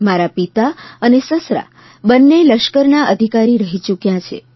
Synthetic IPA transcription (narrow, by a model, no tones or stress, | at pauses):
maɾapit̪aənesəsɾa̰ | bənːeləʃkəɾnaʔəd̪ʱikaɾiɾəɦit͡ʃukjãt͡ʃʰḛ